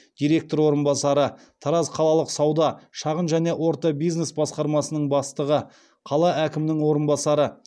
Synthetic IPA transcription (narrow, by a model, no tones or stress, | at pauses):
d̪̥ijɾe̞k̚t̪o̞ɾwo̞ɾənbɑsɑɾə | t̪ʰɑɾɑzqʰɑlˠɑlˠəqsɑwd̪ɑʃɑʁənʒæne̞wo̞ɾt̪ɑbijzne̞sbɑsqɑɾmɑsənəɴbɑst̪əʁə | qʰɑlˠɑʔækʲɪmnɪŋwo̞ɾənbɑsɑɾə